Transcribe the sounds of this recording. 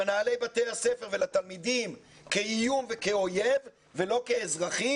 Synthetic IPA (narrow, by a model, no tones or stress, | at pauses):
naːle̞jbat̪e̞jhase̞fe̞ʁvelat̪almid̪im | keijumve̞keo̞jev | velo̞ke̞ːzʁaχi